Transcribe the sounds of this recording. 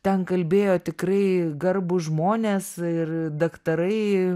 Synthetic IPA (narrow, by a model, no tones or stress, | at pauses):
t̪ʲɛnkɐlʲbʲeːjoːt̪ʲɪkrɐɪɡɐrbʊʒmoːnʲeːsɪrd̪ɐkt̪ɐɾɐɪ